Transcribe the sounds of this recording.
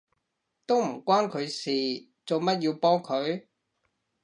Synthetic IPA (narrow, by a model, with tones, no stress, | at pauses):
t̪o˥wm̩˨˩kʷaː˥nkʰɵ˨˧ɥsiː˨˩ | t͡so˨wmɐ˥t̚jiː˧wpɔː˥ŋkʰɵ˨˧ɥ